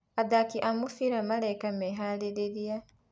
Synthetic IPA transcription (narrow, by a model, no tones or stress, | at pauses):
adakiʔamufiɾamaɾajkameɦaleɾeɾia